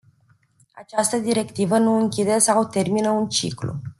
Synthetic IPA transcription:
at͡ʃast̪əd̪iɾe̞kt̪ivənuɨŋkʲid̪e̞sawt̪e̞rminəunt͡ʃḭklṵ

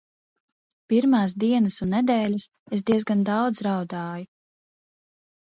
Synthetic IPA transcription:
piɾmaːs̬d̪iɛnɐsunːɛd̪ɛːʎas | es̬d̪iɛzɡand̪ɑwd̪zɾawd̪aːju

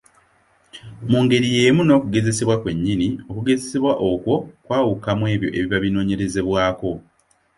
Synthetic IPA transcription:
muːŋɡe̞ɾije̞ːmuno̞ːkuɡe̞ze̞se̞βwakwe̞ɲːinio̞kuɡe̞zese̞βwaʔo̞kwo̞kwaːwukamwe̞ːβjo̞̰ʔe̞βiβaβino̞ːɲe̞ɾe̞ze̞βwaːko̞

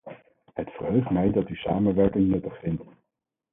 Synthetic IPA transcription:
ɦətfərɦøɥχtmɛjdɑtysa̰ːmənʋɛɹkɪŋnɵtəχfɪnt

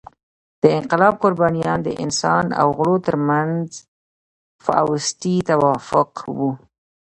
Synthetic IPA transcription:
d̪̥əɪnqɪlɑb̚qʊɾbɑnijɑnd̪ə̰ʔɪ̰nsɑna̰wɣɽot̪əɾmanz | fa̰a̰wʊst̪it̪awɑfʊqwu

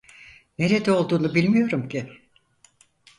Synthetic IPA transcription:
ne̞ɾe̞d̪ɛo̞lˠd̪uːnubilʲmijo̞ɾumcʰi

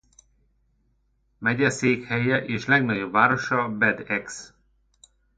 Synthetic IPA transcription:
mɛɟɛseːkhɛjɛʔeːʃlɛɡnɒɟobvaːɾoʃɒbɛd̪ɛks

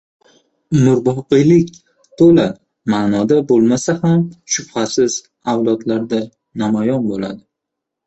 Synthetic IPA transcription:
mʊɾbɒqɨjlɪkʲ | t̪ʰola | manɒd̪abolˠmasahamʃʊb̥hasɪz̥ | awlˠɒd̪laɾd̪a | namajɒnbola̰d̪ɪ

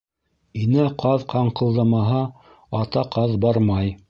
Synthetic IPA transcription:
inæqʰɑðqʰɑɴqɤ̆lˠd̪ɑmɑɦɑ | ɑt̪ɑqʰɑðbɑɾmɑj

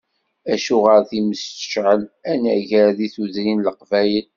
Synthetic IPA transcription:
æʃuʁəɾθiməst̪ə̥ʃʕəlænæʝəɾðiθuðɾinləqvæjəl

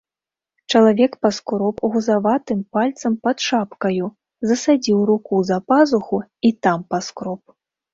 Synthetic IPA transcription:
t͡ʂɐlˠavʲɛkpaskɾɔpɣuzavat̪ɨmpalʲt̪sɐmpɐt̪ʂapkɐju | zɐsad͡zʲiwɾukuzɐpazuxuit̪ampaskɾɔp̚

